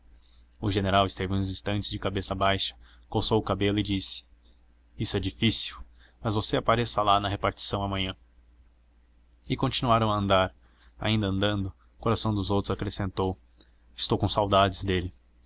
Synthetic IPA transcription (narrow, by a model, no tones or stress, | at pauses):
ʊʒeneɾawɪst̪evɪũzĩst̪ɐ̃nt͡ʃɪzd͡ʒɪkabesɐbajʃɐ̥ | kowsowʊkabelʊɪd͡ʒisɪ̥ | isʊɛd͡ʒifisiw | mɐzvoseapaɾesɐlanɐɦepaɾt͡ʃi̥sɐ̃w̃ɐmɐ̃ɲɐ̃ | ɪkõnt͡ʃinuaɾɐ̃w̃ɐɐ̃nd̪aɾ | a̰ĩnd̪ɐ̃nd̪ɐ̃nd̪ʊ | koɾasɐ̃w̃d̪ʊzowt̪ɾʊzakɾesẽnt̪ow | ɪst̪owkõsawd̪ad͡ʒɪzd̪elɪ